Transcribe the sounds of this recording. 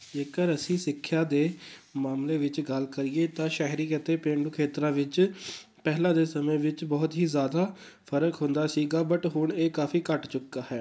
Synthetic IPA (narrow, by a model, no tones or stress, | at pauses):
d͡ʒeːkəɾəsĩːsɪkʰːjaːd̪eː | maːmleːʋɪt͡ʃɡəlkəɾiːeːt̪ãːʃaːɦɾiːkət̪eːpẽːɳɖuːkʰeːt̪ɾãːʋɪt͡ʃ | pɛːɦlãːd̪eːsəmẽːʋɪt͡ʃbɔːt̪ɦiːzjaːd̪aː | pʰəɾəkɦʊ̃nd̪aːsiːɡaːbəʈɦʊɳeːkaːfiːkəʈt͡ʃʊkːaːɦɛː